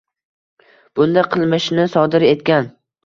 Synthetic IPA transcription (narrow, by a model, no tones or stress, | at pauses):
b̥ʊnd̪aqʰɨlˠmɪʃnɪsɒd̪ɪɾe̞t̪̚kʲan